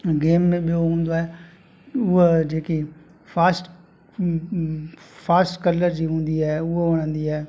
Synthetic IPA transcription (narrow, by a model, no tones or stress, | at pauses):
ɡeːmːẽɓɪjoɦʊ̃ːnd̪oːɛː | ʊed͡ʒeːki | pʰaːsʈ | pʰaːsʈkələɾd͡ʒiːɦʊ̃ːnd̪iːɛːʊeəɽ̃ə̃ːnd̪iːɛː